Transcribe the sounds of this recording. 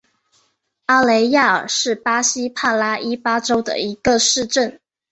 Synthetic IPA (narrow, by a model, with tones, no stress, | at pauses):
a˥le˧˥ɪja˥˩ə̰˞˨˩ʂɻ̩˥˩pa˥ɕi˥pʰa˥˩la˥ʔi˥pa˥ʈ͡ʂo˥ʊd̪ə̰˨i˧˥ɡ̥ə˧ʂɻ̩˥˧ʈ͡ʂə˥˩n